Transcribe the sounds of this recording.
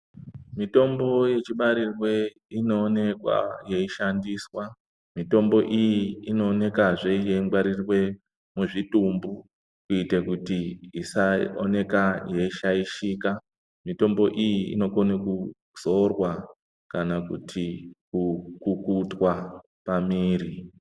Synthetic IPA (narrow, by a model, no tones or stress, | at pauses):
mito̞mbo̞je̞t͡ʃiɓaɾirwe̞ | ino̞ːne̞kwa̰je̞iʃandiswa | mito̞mbo̞ʔijiːno̞ːne̞kaʐe̞jeimɡwaɾirwe̞ | muʐitumbu | kuitekutiisaone̞kaje̞iʃaiʃika | mito̞mbo̞ʔijiḭno̞koneku | z̥o̞rwa | kanakṵtʰikukukutwa | pamiːɾi